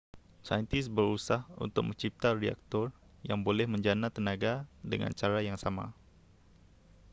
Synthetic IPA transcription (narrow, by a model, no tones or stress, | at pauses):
sajənt̪ɪsbəɾusahṵnt̪ʊk̚məɲt͡ʃip̚t̪aria̰k̚t̪ɔr | jaŋbolɛhməɲd͡ʒanat̪ənaɡadəŋa̰nt͡ʃaɾajaŋsama̰